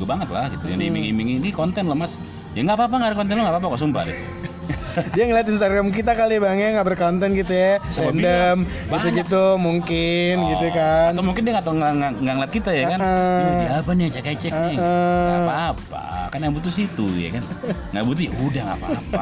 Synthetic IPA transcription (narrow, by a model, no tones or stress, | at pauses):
ɡubaŋət̪la̰hɡit̪uja̰nimɪŋimɪŋinikɔnt̪ɛnlomas | jaŋɡapaːp̬aŋɡaɾakɔnt̪̬ɛnlɔŋɡapaːpakasumpa̰dɛ̰ | diaŋəliat̪inst̪aɡɾamk̬it̪akalibaŋaŋɡabərkont̪ɛnkit̪ujasəɛandəm | but̪uɡit̪̬umuŋkɪnɡiukaanawmuŋkɪndiaŋat̪aŋaŋaŋɡaŋlat̪̚kit̪ajakaniapaniat͡ʃakat͡ʃɛk | apaːpa̰karnabut̪usit̪uja̰kanŋɡabut̪̬ujaudahŋa̰pa̰pa̰